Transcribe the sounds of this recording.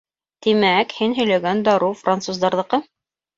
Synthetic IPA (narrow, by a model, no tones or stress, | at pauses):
t̪imækhinɦɵ̆jlæɡænd̪ɑɾufrant̪suzd̪ɑɾðɤ̆qɤ